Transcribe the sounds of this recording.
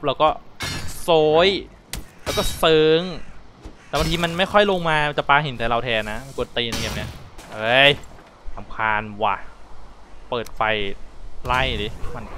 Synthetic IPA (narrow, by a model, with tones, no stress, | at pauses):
p̚lɛː˦˥wkɔː˥˩soː˦˥j | lɛː˦˥wkɔː˥˩sɤː˨˧˦ŋ | t̪ɛː˨˩wa˧nt̪iː˧ma˧nma˥˩jkʰɔ˥˩jlo˧ŋmaː˧a˧nt͡ɕa˨˩paː˧ɦe˨˦nt̪aː˨˩˦la˧wt̪ʰɛː˧nːa˦˥ma˧nku˨˩ənt̪iː˧na˧ŋkaː˨˩p̚ni˦˥ɐʔɤː˧˦˥j | sa˨˩˦mkʰaː˧nwa̰˧˩ | pɤː˨˩t̪̚fa˧jla˥˩jdi˨˦˩ma˧n